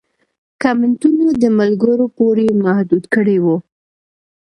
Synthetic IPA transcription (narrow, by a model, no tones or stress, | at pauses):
kamɪnt̪unod̪əmalɡəɾopoɾemahd̪ud̪kəɽewu